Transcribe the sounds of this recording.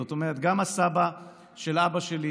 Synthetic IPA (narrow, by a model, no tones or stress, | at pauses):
ot̪o̞meʁet̪ɡamasaba | ʃe̞lʔabaʃeli